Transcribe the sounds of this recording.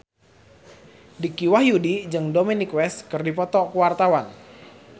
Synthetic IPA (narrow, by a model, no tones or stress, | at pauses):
dikiwahjudid͡ʒɨŋdominikwɛskɨrdipɔt̪ɔkuwart̪awan